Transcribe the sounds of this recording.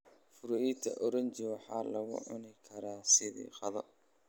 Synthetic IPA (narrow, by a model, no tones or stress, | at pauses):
fʊɾɔʔit̪ʰɐʔɔɾɐnt͡ʃɪwɑħɑ̰ːlɐɣʊ̰ʕʊnɪkʰɐɾaːsɪðḭːqɑðɔ